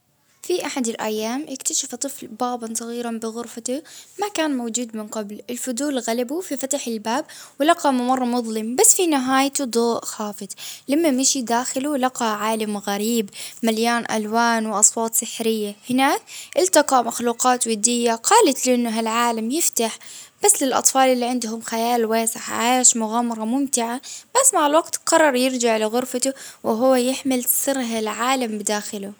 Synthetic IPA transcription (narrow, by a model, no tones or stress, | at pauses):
fiʔaħad̪ɪlʔa̰jːaːmʔɪkt̪aʃaft̪ˤɨflbaːbɑnsˤɑɣiːɾanbɪɣʊɾfat̪amakaːnmawd͡ʒuːd̪mɪnqɑblɪlfʊd̪uːlɣalabufifat̪aħɪlbaːb̚wɪlɑqɑmʊmɑrˤːɑmʊðˤlɪmbasːfinɪɦaːjt̪ud̪ˤoːʔxaːfɪd̪ˤlamːamɪʃid̪aːxɪlulɑqɑʕaːlamɣaɾiːbmaljaːnʔa̰lwaːnwʔɑsˤwɑːt̪ˤsɪħɾɪjːahɪnaːk̚ʔɪlt̪ɑqɑmaxluːqɑːt̪wɪd̪ːɪjːaqʰɑːlat̪lɪʔɪnːʊɦalʕaːlamjɪft̪aħb̥asːlɪlʔɑ̰t̪ˤfɑːlʔɪlːiʕɪnd̪ɦʊmxajaːlweːsɪħʕeːʃmʊɣaːmɑɾˤɑmʊmt̪ɪʕab̥asːmaʕalwaɡt̪qɑrˤːɑɾˤjɪɾd͡ʒaʕlɪɣʊɾfat̪ʊwɪɦʊwːajɪħmɪlsɨɾɦalʕaːlambɪd̪aːxɪlu